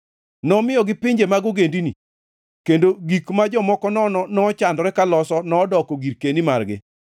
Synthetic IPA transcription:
nɔmɪjɔɡɪpɪɲd͡ʒemaɡoɡendinḭ | kendoɡikmad͡ʒɔmɔkɔnɔnɔnɔːt͡ʃandɾɛkalɔsɔnɔːdɔkɔɡiɾkenimarɡɪ̰

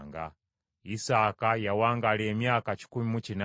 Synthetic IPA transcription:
ŋɡa̰ | isakajawaŋɡalɛɛmjakat͡ʃi̥kumimut͡ʃina

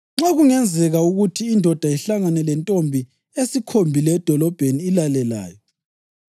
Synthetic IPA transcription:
ŋ͡ǁeɣuŋɛnd͡zʱɛɣauɣutʰiːndʱɔd̥ʱaiɬaŋanɛlɛntʼombʱi | esikʰombʱilɛd̥ʱɔlɔb̥ʱeniːlalɛla̰ːjɔ

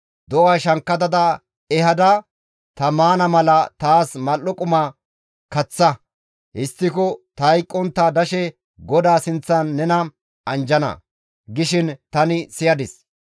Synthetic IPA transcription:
d̪ɔwaʃɐŋkːɐd̪ɐd̪ɐ | ɛhɐd̪ɐ | t̪ɐmaːnɐmɐlɐt̪aːsmɐlːɔkʼʊmɐ | kɐt͡sːɐ | hɪst̪ːɪkɔt̪ɐjkʼːɔnt̪ːad̪ɐʃɛ | ɡɔd̪aːsɪnt͡sːɐnːɛnɐ | ɐnd͡ʒɐnɐ̰ | ɡɪʃɪnt̪ɐnɪsɪjɐd̪ɪs

